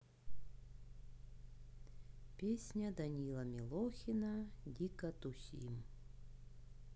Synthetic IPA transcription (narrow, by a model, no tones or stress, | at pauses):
pʲesʲnʲɐd̪ɐnʲilˠɐmʲilˠɔxʲinɐdʲikɐt̪ʊsʲḭm